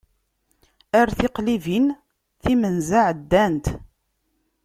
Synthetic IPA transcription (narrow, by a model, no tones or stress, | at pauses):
æɾθɪqlivin | θimənzaʕd̪ːænt̪